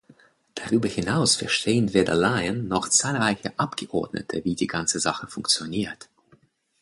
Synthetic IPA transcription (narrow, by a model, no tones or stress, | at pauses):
d̥aʁyːbɐhɪnaʊsfɛɐʃtʰeːənveːdɐ̰laɪənːɔχt͡saːlʁaɪçəʔapɡ̥əʔɔɐdnə̰tʰəviːdiːɡant͡səzaχəfʊŋkt͡sjoniːɐt